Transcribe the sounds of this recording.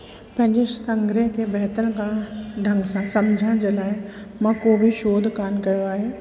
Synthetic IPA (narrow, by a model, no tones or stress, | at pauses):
pɐ̃ɦɪ̃ɲd͡ʑesɐ̃ŋɡɾeɦkʰeːbɛɦt̪əlɡaːɽ̃ɖʱɐ̃ŋɡsãsɐmd͡ʑʱəɽ̃d͡ʑeːlaːɪmãkoːbʱiʃoːd̪ʱkaːnkɐjoaːɦeː